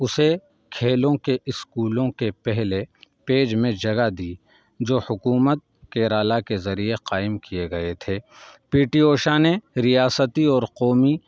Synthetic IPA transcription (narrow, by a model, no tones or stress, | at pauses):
ʊse | kʰeːlõkeʔɪskuːlõkepɛɦlepeːd͡ʒmẽd͡ʒɐɡad̪iː | d͡ʒoːhʊkuːmət̪̚keːɾaːlakezɐɾieqaːɪmkijeɡɐet̪ʰeːpiːʈioːʃaneɾijaːsət̪iɔːɾqɔːmi